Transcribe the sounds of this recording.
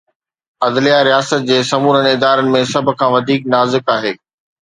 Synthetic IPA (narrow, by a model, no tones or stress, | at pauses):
ɐd̪lijaɾijaːsət̪̚d͡ʑeːsɐmuːɾənɪd̪aːɾənɪ̆mẽsɐbʱʊ̆kʰãːʋɐd̪ʱiːk̚naːzɪkaːɦeː